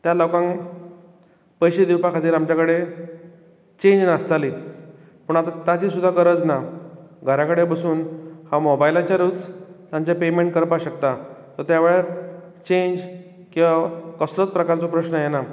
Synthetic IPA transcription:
t̪jalokãŋ | pəjɕed̪iwpakʰat̪iːɾamt͡ɕjakəɽe | t͡ɕẽɲd͡ʑnast̪ali | pəɳat̪at̪jat͡ɕiːsud̪ʱːakəɾəd͡znaɡʱəɾãkəɽebəsuːnhamobajlat͡ɕaɾut͡st̪ãɲt͡ɕapemẽɳʈ̚kəɾpaɕəkt̪at̪əɾt̪jaʋeɭeɾ | t͡ɕeɲd͡ʑ | kĩʋakəslot͡spɾəkaɾt͡sopɾəɕɳəjena

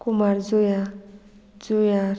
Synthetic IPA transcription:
kumaɾzoja | zoja

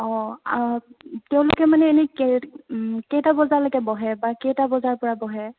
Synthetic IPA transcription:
ɔatɛʊ̃lʊ̰kɛmanɛːnɛkɛ | ketabɔzalaɡɛbɔɦɛbakɛtabɔzaɹpɔɹabɔɦɛ

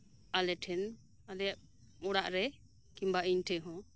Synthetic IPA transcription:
alɛʈʰɛn | alɛa | ɔɽaʔɾɛ | kimbaʔiɲʈʰɛɦɔ̃

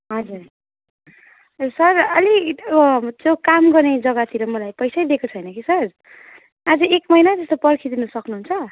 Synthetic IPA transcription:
ɦʌd͡zur | sʌrʌliʌʌt͡sjokamɡʌrned͡zʌɡat̪ʰiɾʌmʌlajpʌjsajd̪ekot͡sʰʌjnʌkisʌr | ad͡zʌekmʌjnat̪ʌst̪opʌrkʰid̪inusʌknuɦunt͡sʰʌ

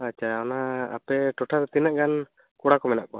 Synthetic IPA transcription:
at͡ʃʰaɔnaa̰pɛʈɔʈʰaɾt̪inaʔɡan | kɔɽakɔmɛnaʔkɔ

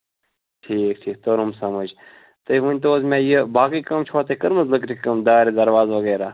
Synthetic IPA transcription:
ʈʰiːk̚ʈʰiːk̚t̪oɾumsɐməd͡ʒ | t̪ɨʋunʲt̪̬oːzmɛ̃ːjəbaːkikɐmt͡ʃʰoaːt̪ekəɾməzləkɾikɐmd̪aːɾid̪ɐɾʋaːzʋɐɡeːɾaː

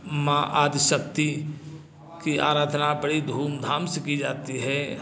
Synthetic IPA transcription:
mãːʔaːd̪ɪʃək̚t̪i | kia̰ːɾaːd̪ʱnabəɽid̪ʱuːmd̪ʱaːmsekid͡ʒaːt̪iɦɛː

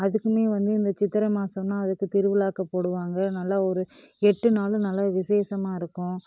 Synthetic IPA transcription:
ɐðɯkːɯmeːʋɐnd̪ɯɪnd̪ɐt͡ʃɪt̪ːɪɾɐmaːsɐmnaːɐðɯkːɯt̪ɪɾɯʋɪlaːkɐpːoːɽɯʋaːŋɡɐnɐlːɐɔɾɯ | ɛʈːɯnaːlɯnɐlːɐʋɪseːsɐmaːɪɾɯkːʊ̃

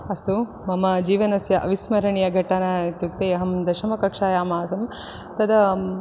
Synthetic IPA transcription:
ɐst̪u | mɐmɐd͡ʒiːʋɐnɐsjɐʔɐʋismɐɾɐɳijɐɡʱɐʈːaːnat̪juk̚t̪ejɐɦɐmd̪ɐʃɐmɐkɐkʂaːjaːmaːsɐm | t̪ɐd̪ɐ

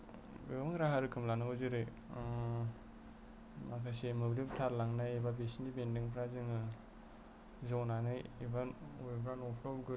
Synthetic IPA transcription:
ɡɯmɯŋɾaɦaɾɯkʰɯmlanɯɦozɯɾɯ | makʰasemɯblibtʰaɾlaŋnajebabesinibendiŋpʰɾazɯŋɯ | zawnanɯjibaubipʰɾanɔpʰɾɔbɡɯɾ

